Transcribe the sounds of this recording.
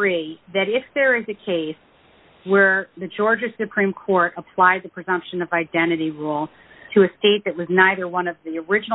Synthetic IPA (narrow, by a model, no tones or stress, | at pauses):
iðɨɾɪfðə˞ɪzɨkʰeɪs | wə˞ðɨd͡ʒɔɹd͡ʒɨ̥sɨpʰɹ̥ĩmkʰɔɹɾəpʰl̥aɪd̪̚ðɨpʰɹ̥ɨzʌ̃mpʃɨ̃nʌvaɪdɛ̃ɾ̃ɨɾiɹulˠ | tʰɨɨsteɪt̪̚ðɨt̚wʌznaɪðə˞wʌ̃nʌvðiə˞ɪd͡ʒɨn̩